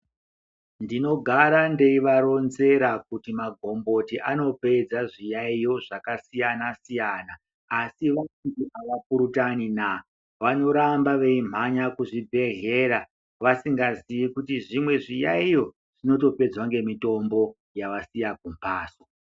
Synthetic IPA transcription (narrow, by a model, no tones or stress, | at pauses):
ndino̞ɡʱaɾande̞iʋaɾo̞nze̞ɾakutimaɡʱo̞mbo̞tiʔano̞pe̞d͡zaʐijaijo̞ʐakasijanasijanaː | siʋaidiʔaʋapuɾutanina | ʋano̞ɾambaʋe̞im̤aɲakuʐibʱe̞ɦe̞ːɾa | ʋasiŋɡazijikutiʐimwe̞ʐijaijo̞ | ʐ̥ino̞t̬o̞pe̞d͡zwaŋɡe̞mito̞mbo̞ | jaʋasijak̚umpaːso